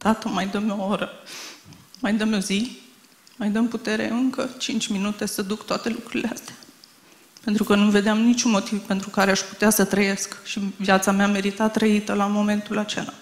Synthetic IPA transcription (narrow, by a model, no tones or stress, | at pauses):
d̪̥at̪əmajd̪əmo̞oɾə | majd̪əmo̞zi | majd̪əmput̪e̞ɾe̞̰ɨŋkət͡ʃint͡ʃʲminut̪e̞səd̪ukt̪oat̪e̞lukɾuɾileast̪eḁ | pe̞nt̪ɾukənuve̞d̪eamnit͡ʃʲunmo̞t̪ivpe̞nt̪ɾukaɾeaʃpu̥t̪easət̪ɾəje̞skʃivjat̪sameame̞ɾit̪at̪ːɾəit̪əlamo̞me̞nt̪ulat͡ʃḛla